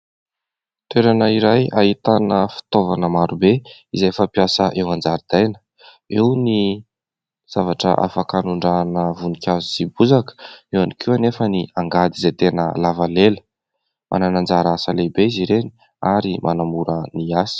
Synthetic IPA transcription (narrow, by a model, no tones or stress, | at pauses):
t̪weɾanəiɾajaɦit̪anəfi̥t̪ovanəmaɾubeizefapiasəʔewand͡zaɾid̪̥ajnə̥ | ewni | z̥avaʈ͡ʂə̰ʔa̰fakanuɳɖ͡ʐanəvunikʲʰazusibuzakə̥ewanikʰuanefəniaŋɡad̪izet̪enə̰lavalelə̥ | mʔa̰nanand͡zaɾasəlebeiziɾeni̥ | aɾimʔa̰namuɾəniasi̥